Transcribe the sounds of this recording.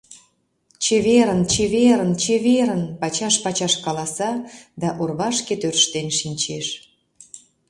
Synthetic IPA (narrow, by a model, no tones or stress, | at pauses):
t͡ɕeβeɾənt͡ɕeβeɾənt͡ɕeβeɾənpɑt͡ɕɑʃpɑt͡ɕɑʃkɑlɑsɑd̪ɑʔorβɑʃket̪ørʃt̪enʃinʲt͡ɕeʃ